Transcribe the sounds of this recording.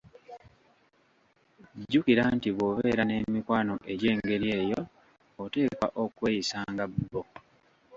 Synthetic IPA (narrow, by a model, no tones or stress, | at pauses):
ɟːukiɾantiβwo̞βeːɾane̞mikwaːno̞ʔe̞ɟe̞ːŋɡe̞ɾje̞ːjoː | te̞ːka̰ʔokwe̞ːjisaːŋɡabːo